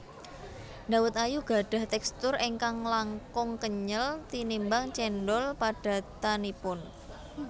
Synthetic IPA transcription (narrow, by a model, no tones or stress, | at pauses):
ndawʊt̪ajuɡ̥a̤ɖ̥a̤ht̪ɛkst̪ʊreŋkaŋlaŋkʊŋkəɲəlt̪inimbaŋt͡ʃɛnɖɔlpaɖ̥a̤t̪anipʊn